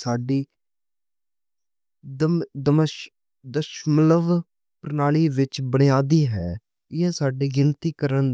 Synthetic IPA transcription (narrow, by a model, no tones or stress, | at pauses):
saːɖiː | d̪əmd̪əməʃ | d̪əʃmləʋ | pɾnaːɭiːʋɪt͡ʃbəɽ̃ɪjaːd̪iːɦɛː | ɪɛːsaːɖiːɡɪnt̪iːkəɾən